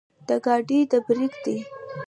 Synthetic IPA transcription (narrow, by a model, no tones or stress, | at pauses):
d̪̥əɡɑɖid̪əbɾiɡd̪i